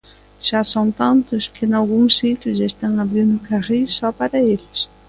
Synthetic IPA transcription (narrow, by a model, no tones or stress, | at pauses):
ʃasɔnt̪ant̪ʊskɪnalɣuŋsit̪jʊʃaest̪aŋaβɾind̪ʊkarisɔpaɾɐeʎɪs